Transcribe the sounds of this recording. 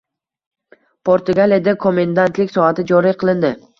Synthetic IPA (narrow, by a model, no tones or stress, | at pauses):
pʰoɾt̪ʊɡalijad̪akʰomend̪ant̪lɪkʲsɒat̪ɪd͡ʒɒɾɪjqʰɨlˠɪnd̪ɪ